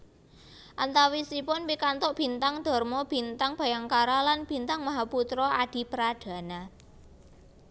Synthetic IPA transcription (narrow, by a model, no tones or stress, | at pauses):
ʔant̪awisipʊnpikant̪ʊʔb̥i̤nt̪aŋd̪̥ɔ̤rmɔb̥i̤nt̪aŋb̥a̤jaŋkaɾalanb̥i̤nt̪aŋmaɦaput̪ɾɔʔaɖ̪̥i̤pəɾaɖ̪̥a̤na